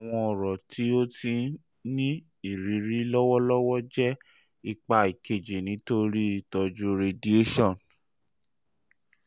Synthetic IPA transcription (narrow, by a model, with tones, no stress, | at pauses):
a˨w̃ɔ̃˧ɔ˨ɾɔ˨ti˨˦o˦ti˧ | nĩ˦ | i˦˨ɾi˨˦ɾi˦lɔ˦wɔ˦lɔ˦wɔ˦d͡ʒɛ˦ | i˧k͡pa˧i˨ke˨d͡ʒe˨nĩ˨˦to˦ɾi˦˨tɔ˧d͡ʒu˧ɾe˧di˨e˦ʃɔ̃˦˨n